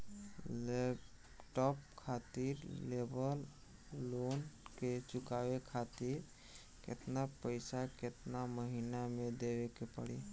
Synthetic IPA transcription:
lep | ʈɔp̚kʰat̪iɾlebəlː | onket͡ʃʊkawekʰat̪iɾ | kḛt̪napəjsaket̪naməɦinamed̪eʋekepə̰ɽi

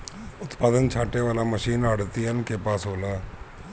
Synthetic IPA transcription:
ʊt̪paːd̪ənt͡ʃʰaːʈeʋaːlaːməʃiːnaːɽt̪iːɦənkeːpaːsoːlaː

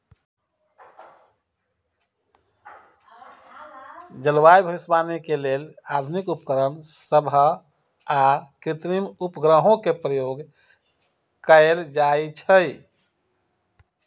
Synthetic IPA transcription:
d͡ʒəlʋajbʱəʋisbanikelelad̪ʱunikupkəɾənsəbʱə | akɾit̪ɾimupɡɾəɦõkepɾəjoɡ | kəeld͡ʒajt͡ʃʰəj

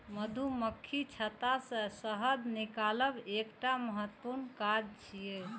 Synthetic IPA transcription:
məd̪ʱuməkʰːit͡ʃʰət̪asə̃səɦəd̪nikaləbekʈaməɦət̪ːpuɾnkad͡ʒt͡ʃʰije

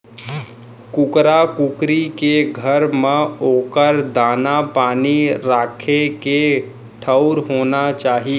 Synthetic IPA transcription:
kʊkɾakʊkɾikeɡʱəɾmẽoːkəɾd̪aːnapaːniɾaːkʰeke | ʈʰəʊɾɦoːnat͡ʃaːɦie

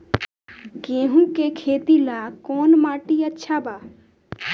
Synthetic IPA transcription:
kẽːɦũkekʰeːt̪ilakɔːnmaːʈiətːʃʰabaː

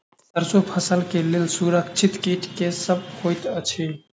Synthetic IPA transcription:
səɾsopʰəsəlkeleːlsuɾəkt͡ʃʰɪt̪keʈkesəb̚hoːjt̪ət͡ʃʰe

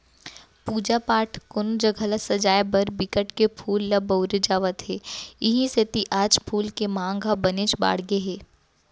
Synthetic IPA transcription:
puːd͡ʒapaːʈʰkʊnd͡ʒəɡʱɐləsɐd͡ʒaːjbɐɾbɪkəʈkepʰuːlːɐbəʊɾed͡ʒaːʋət̪ɦeːɪɦĩset̪iʔaːd͡ʒpʰuːlkemãːŋɡʱabɐneːt͡ʃba̰ːɽ̤ɡeɦeː

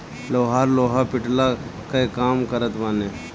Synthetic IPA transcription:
loːɦaːɾloːɦapɪʈlakaekaːmkəɾət̪ʋaːne

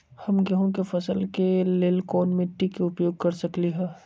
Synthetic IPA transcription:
hɐmɡɐɦõk̬efɐsəlkeleːlkoːnmẽʈikeʊpjoːɡ̚kɐɾsɐkliɦɛː

